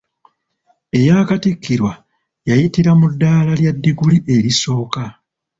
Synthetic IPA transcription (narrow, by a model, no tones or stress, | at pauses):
e̞jaːkatikʰːiɾwa | jajitiɾamudːaːlaljadːiɡuliʔe̞ɾiso̞ːka